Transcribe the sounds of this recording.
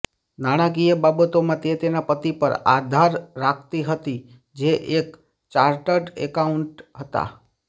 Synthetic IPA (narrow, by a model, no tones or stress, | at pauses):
naɽ̃ak̬ijəbabət̪omãt̪et̪enapət̪ipəɾa̰d̪ʱaɾːak̚ʰt̪iɦət̪i | d͡ʒeʔek | t͡ʃaɾʈəɖḛkauɳʈɦət̪a̰